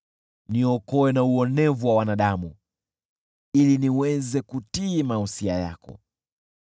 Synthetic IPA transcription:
niɔkɔwɛnauɔnɛvuwawanaɗamu | iliniwɛzɛkutimahusia̰ja̰kɔ̰

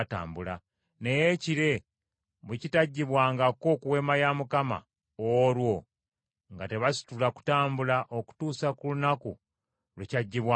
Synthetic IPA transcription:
ta̰ːmbula | ne̞jeciɾe̞ | βecitaɟːiβwaːŋɡako̞kuwe̞majamukama̰ | oɾwo | ŋɡate̞βasi̥tulaku̥taːmbulaʔo̞ku̥tuːsakulunaku | lwecaɟːiβwa

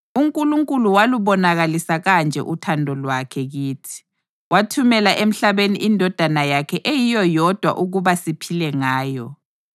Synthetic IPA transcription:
uŋkʼuluŋkʼuluwaluβɔnaɣalisaɣand͡ʒʱɛ̰ʔutʰandʱɔlwakʰɛɣiːtʰi̥ | watʰumɛlaʔem̩ɬaβeniʔindʱɔd̥ʱanajakʰɛʔejijɔjɔd̥ʱwa̰ʔuɣuβasipʰilɛŋaːjɔ

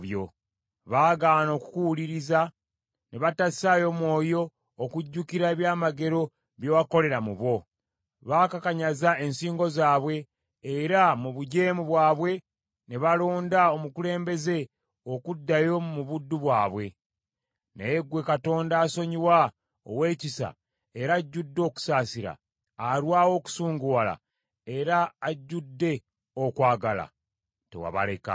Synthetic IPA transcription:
jo̰ | βaːɡaːno̞ːku̥kuwuliɾiza | neβatassajo̞mwo̞ːjo̞ː | kuɟːukiɾaeβjaːmaɡe̞ɾo̞ | βjowako̞le̞ɾamuβo̞ | βaːkakaɲazae̞nsiːŋɡo̞zaːβwe̞ː | ɾamuβuɟe̞ːmuβwaːβwe̞ | ne̞βaloːndao̞mukule̞ːmbe̞ze̞ | o̞kudːajo̞mumuβudːuβwaːβwe̞ | nejeɡwe̞kato̞ːndaːsoɲiwa | o̰we̞ːcisa̰ | eɾaɟːudːo̞ːku̥saːsiɾa̰ | aɾwaːwo̞ːku̥suːŋɡuwala̰ | eɾaːɟːudːe̞ | o̞kwaːɡala̰ | tḛwa̰βa̰le̞ka̰

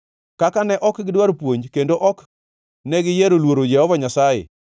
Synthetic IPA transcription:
kakanɛʔɔkɡɪdwaɾpwoɲkendoʔɔk | nɛɡɪjeɾolwoɾod͡ʒɛhɔvaɲasajḛ

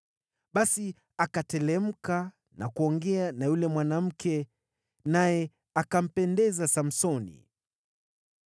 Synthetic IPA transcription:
ɓasi | akatɛlɛm̩ka | na̰kuɔŋɡɛanajulɛmwanam̩kʰɛ | najɛ | akam̩pɛndɛzasam̩sɔnḭ

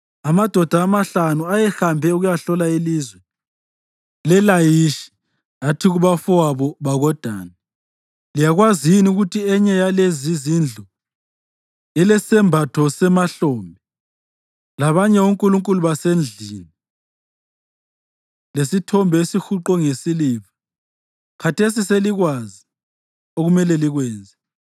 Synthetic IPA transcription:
amad̥ʱɔd̥ʱaːmaɬanuajɛxambʱɛuɣujaɬɔlailizwɛ | lɛlajiʃi̥ | atʰiɣuβafuwaβɔβaɣɔd̥ʱa̰ːna | lijaɣwaziinuɣutʰiɛɲɛjalezizind͡ɮʱu | ilɛsɛmbʱatʰɔsɛmaɬɔːmbʱɛ | laβaɲɛuŋkʼuluŋkʼuluβasend͡ɮʱiːmi | lesitʰɔmbʱesixuǃɔŋesiliβḁ | kʰatʰes̬iseliɣwazi | oɣumɛlɛliɣwɛːnd͡zʱɛ

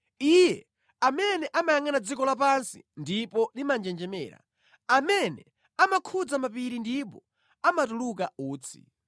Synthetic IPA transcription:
ijɛ | amɛnɛʔamajaŋanad͡zikɔlap̬ansḭndipɔlimand͡ʒɛnd͡ʒɛmɛːɾa̰ | amɛnɛ | amakʰud͡zamapiɾindipɔ | amatuluk̬auːt͡sʰi̥̰

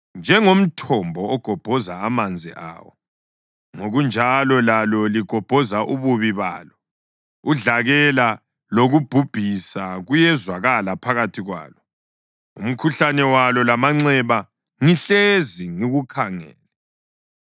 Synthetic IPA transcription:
nd͡ʒʱɛŋom̩tʰɔmbʱɔːɡ̥ʱɔb̥ʱɔzaamand͡zʱḭʔa̰ːwɔ | ŋoɣund͡ʒʱalɔlalɔliɡ̥ʱɔb̥ʱɔzaʔuβuβiβa̰ːlɔ | uɮaɣɛla | loɣub̥ʱub̥ʱisaɣujɛzwaɣalapʰaɣatʰiɣwa̰ːlɔ | ṵm̩kʰuɬanɛwalɔlamaŋ͡ǀɛβa | ŋiɬeziŋiɣukʰaŋɛ̰ːlɛ

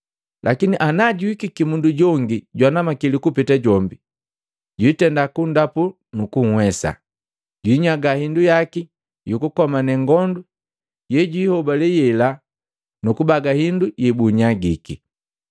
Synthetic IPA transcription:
lʔakiniʔanaɟuikikimunduɟɔŋɡiɟwanamakilikupitaɟɔmbi | ɟwitɛndakundapu | nukuŋ̩hwɛsa̰ | ɟwiːɲaɡahindujaki | jukukɔmanɛŋɡɔndu | jɛɟiːhɔbalɛjɛla | nukubaɡahindujibuɲaɡiki

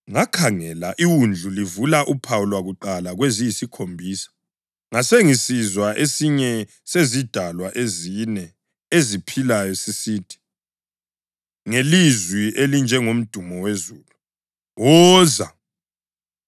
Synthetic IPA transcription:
ŋakʰaŋɛlaʔiwund͡ɮʱulivulaʔupʰawulwaɣuǃalaɣwezijisikʰombʱiːsḁ | ŋaseŋisizwaʔesiɲɛ | sezid̥ʱalwaʔezinɛ | ezipʰilajɔsisiːd̥ʰʱi̥ | ŋelizwiʔelind͡ʒʱɛŋom̩d̥ʱumɔwezuːlu | ɔːza

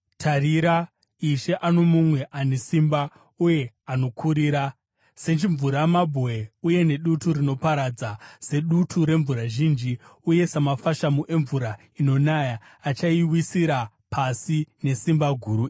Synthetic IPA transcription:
tʰaɾiɾa | iʃe̞ʔano̞mumwe̞ʔanesimba | uje̞ | ano̞kʰuɾiːɾa | se̞t͡ʃiɱvuɾamabʱoeuje̞ne̞ɗutuɾino̞paɾad͡zase̞ɗutʰuɾe̞ɱvuɾaʒind͡ʒiuje̞samafaʃamuʔe̞ɱvuɾa | ino̞najaː | t͡ʃaiwisiɾa | pʰasine̞simbaɡʱuɾu

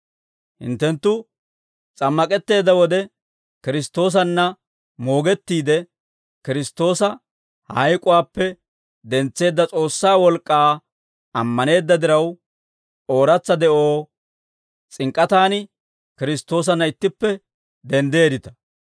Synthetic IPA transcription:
hɪ̰nt̪ːɛnt̪ːʊ | t͡sʼɐmːɐkʼɛt̪ːe̞ːd̪ːɐwɔd̪ɛ | kɪɾɪst̪ːo̞ːs̬ɐnːɐ | mo̞ːɡɛt̪ːiːd̪ɛ | kɪɾɪst̪ːo̞ːsɐ | hɐjkʼʊwaːpːɛ | d̪ɛnt͡sːe̞ːd̪ːɐt͡sʼo̞ːsːaːwɔlkʼːaː | ɐmːɐne̞ːd̪ːɐd̪ɪɾɐw | o̞ːɾɐt͡sːɐd̪ɛʔo̞ː | t͡sʼɪŋkʼːɐt̪aːnɪ | kɪɾɪst̪ːo̞ːs̬ɐnːɐɪt̪ːɪpːɛ | d̪ɛnd̪e̞ːd̪ɪt̪ɐ̥

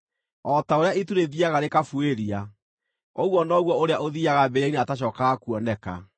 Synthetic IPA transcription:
ɔtaoɾeaituɾeðiaɣaɾekafueɾia | ɔɣwɔnɔɣwɔoɾeaʔoðiaɣabeɾaineataɕ̬ɔkaɣakuɔnɛka̰

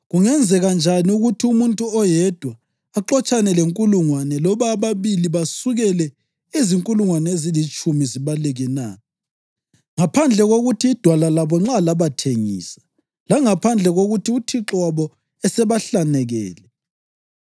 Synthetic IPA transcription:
ɣuŋɛnd͡zʱɛɣand͡ʒʱaniuɣutʰiumuntʼuɔjɛd̥ʱwaː | ǃɔt͡ʃʼanɛleŋkʼuluŋwanɛlɔβaːβaβiliβasuɣɛlɛ | iziŋkʼuluŋwanɛezilit͡ʃʼumiziβalɛɣɛna̰ | ŋapʰand͡ɮʱɛɣoɣutʰiːd̥ʱwalalaβɔŋ͡ǁalaβatʰeŋḭːsḁ | laŋapʰand͡ɮʱɛɣoɣutiutʰiǁwaβɔ | ɛsɛβaɬanɛɣɛ̰ːlɛ

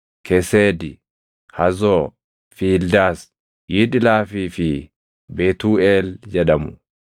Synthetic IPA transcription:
kʰɛseːd̪ɪ | hɐzoː | fiːld̪aːs | jiːᶑɪlaːfiːfɪ | beːt̪uːeːld͡ʒɛᶑɐmʊ

